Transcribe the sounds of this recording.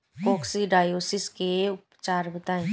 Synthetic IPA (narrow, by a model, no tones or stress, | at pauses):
koːksiɖaːjoːsɪskeʊpt͡ʃaːɾbət̪aːẽː